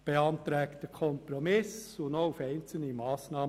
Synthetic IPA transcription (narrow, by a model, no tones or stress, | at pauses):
b̥eɑnt̪ɾɛːktəkʰɔmpɾomɪsʊndoʊfæɪnt͡sl̩nəmɑːsnɑː